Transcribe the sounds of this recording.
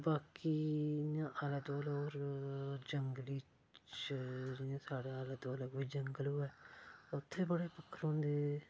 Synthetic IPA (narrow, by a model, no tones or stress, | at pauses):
baːkiːnãːʔələd̪oːloːɾd͡ʒəŋɡliː | t͡ʃt͡ʃt͡ʃd͡ʒɪnẽːsaːɽaːələd̪oːələɡʋiːd͡ʒəŋɡəloːɛːʊt̪ʰːeːbəɽeːpəkʰːəɾõːnd̪eː